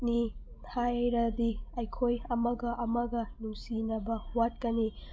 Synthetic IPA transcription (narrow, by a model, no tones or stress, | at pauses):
ni | tʰajɾɐd̪iɐjkʰojɐmɐɡɐʔɐmɐɡɐnuŋsinɐbɐwat̚kɐni